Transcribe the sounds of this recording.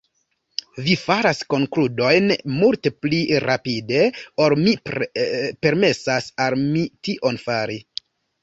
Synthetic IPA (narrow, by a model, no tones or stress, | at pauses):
vifaɾasko̞ŋkludo̞jnmultepliɾʔapide̞o̞ɾmi | pe̞ɾme̞sasalmitiʔo̞nfaɾi